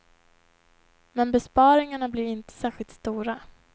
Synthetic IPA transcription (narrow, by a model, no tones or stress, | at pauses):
mɛnbɛspɑːɾɪŋaɳablɪɾɪnt̪ə̥sæːɾɧɪlt̪st̪uːɾa